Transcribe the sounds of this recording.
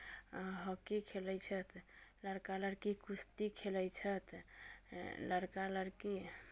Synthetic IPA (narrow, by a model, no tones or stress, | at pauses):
ɦəkikʰeləjt͡ʃʰət̪ləɽkaləɾkikust̪ikʰeləjt͡ʃʰət̪ | ləɽkaləɾki